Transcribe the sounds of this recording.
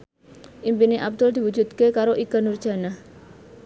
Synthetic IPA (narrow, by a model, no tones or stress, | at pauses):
ʔimpineʔab̚d̪ʊld̪i̤wud͡ʒud̪kekaɾoʔiɡ̥anurd̥ʒ̥a̤nah